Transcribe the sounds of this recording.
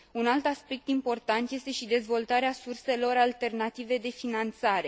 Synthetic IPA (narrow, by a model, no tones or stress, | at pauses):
unalt̪aspe̞k̚t̪impo̞rt̪ant̪je̞st̪e̞ʃid̪e̞zvo̞lt̪aɾeasurse̞lo̞ɾalt̪e̞rnat̪ive̞d̪e̞finant̪saɾe̞